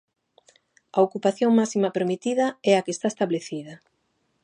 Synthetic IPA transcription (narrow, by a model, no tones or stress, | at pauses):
ɐokupaθjoŋmasimɐpeɾmit̪iðɐɛakest̪aest̪aβleθiðɐ